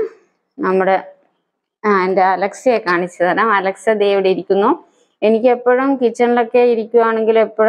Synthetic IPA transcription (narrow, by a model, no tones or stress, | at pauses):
nɐmːuɽe̞ | aːendeɐlɐksekaːɳit͡ɕːɐðaːlaːmɐlɐksɐd̪eʋiɽeiɾikʲːunːu | e̞nikʲːe̞pːoɻumkit͡ɕːɐɳilo̞kːe̞iɾikʲːuɣaːɳe̞ŋɡile̞pːoɻ